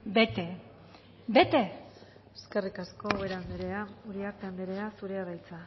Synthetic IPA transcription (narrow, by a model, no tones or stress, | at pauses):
be̞t̪e̞ | be̞t̪e̞ | eske̞rikasko̞weɾamɾeauɾiakt̪amd̪eɾe̞asuɾeaɾajt͡sa